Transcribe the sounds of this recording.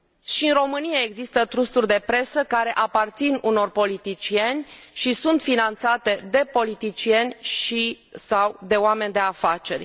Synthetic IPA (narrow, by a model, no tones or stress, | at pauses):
ʃiɨnro̞mɨnijae̞ɡzist̪ət̪ɾust̪urʲd̪e̞pɾe̞səkaɾe̞ʔapart̪sinuno̞rpo̞lit̪it͡ʃie̞nʲ | ʃisunt̪finant̪sat̪e̞d̪e̞po̞lit̪it͡ʃije̞nʲʃi | sawd̪e̞oame̞nʲd̪e̞afat͡ʃe̞rʲ